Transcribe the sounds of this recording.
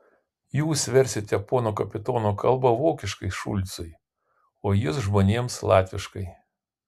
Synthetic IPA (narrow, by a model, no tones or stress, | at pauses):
juːsʋʲɛɾʲsʲɪt̪ʲɐpoːnoːkɐpʲɪt̪oːnoːkʰɐlˠbɐʋoːkʲɪʃkɐɪʃʊ̰lʲt̪sʊj | oːjʊsʒmoːnʲeɛmslˠɑːt̪ʲʋʲɪʃkɐɪ